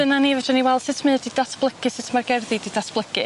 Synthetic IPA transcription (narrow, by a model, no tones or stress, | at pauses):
ənanivɛdɔniwɛlˠd̥sɨtʰmɨdidasb̥lˠəkʰɨsɪtʰmarɡɛrðididasb̥lˠəkʰɨ